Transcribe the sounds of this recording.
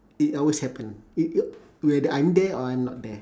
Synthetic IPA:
itɔlweshɛpə̃ni | wɛdəʔãjmdɛɔãjmnɔt̚dɛ

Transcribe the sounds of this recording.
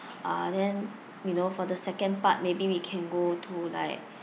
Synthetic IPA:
ʔa̰dɛ̃n | junofɔdəsɛkə̃npat̚mebiwikʰɛ̃nɡotʰula̰ɪk̚

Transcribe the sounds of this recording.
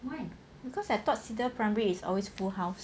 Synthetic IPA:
waɪ | bikʰɔsdɛtɔt̚sidəpʰɹaɪmɛɹiːsɔ̰lwesfulhaʊs

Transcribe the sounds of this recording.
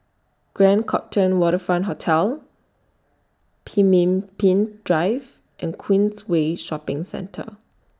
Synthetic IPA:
ɡ̥ɹɛ̃nkʰɔp̚tʰə̃nwɔɾəfɹãntɦotʰɛl | pʰimpĩndɹaɪv | ʔɛ̃nkʰwĩnsweʃɔpɪ̃ŋsɛ̰̃ntʰə̰

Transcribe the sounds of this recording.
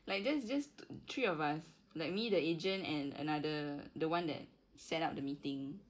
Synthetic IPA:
laɪk̚dɛsd͡ʒastʰɹiɔvas | laɪk̚midəed͡ʒə̃ntɛ̃nə̰nadədəwãndɛ̰t̚ | sɛtap̚dəmitɪ̃ŋ

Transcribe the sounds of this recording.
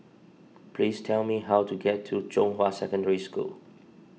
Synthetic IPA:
pʰlistʰɛlmiɦawtʰuɡɛtʰːud͡ʒõnhwasɛkə̃ndəɹiskṵl

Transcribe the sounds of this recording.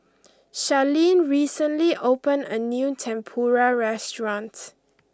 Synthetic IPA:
ʃalĩnɹiːsə̃nliʔopə̃nə̰njutʰɛ̃mpʰɔɹaɹɛstɹɔ̃nt

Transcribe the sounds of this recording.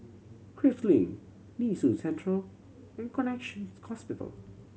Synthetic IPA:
kʰɹɪftlḭ̃ŋ | nisusɛ̃ntʰɹəl | ɛ̃nkʰɔnɛkʃə̃nhɔspɪtə̰l

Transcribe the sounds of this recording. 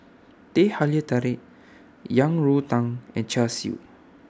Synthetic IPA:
t̪ehaliət̪aɾɪʔ | jaŋɹut̪ãŋɛ̃nt͡ʃasiṵ

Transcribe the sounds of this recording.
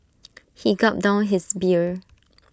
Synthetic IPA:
hiɡɔp̚dãʊ̃nɦisbiɹ

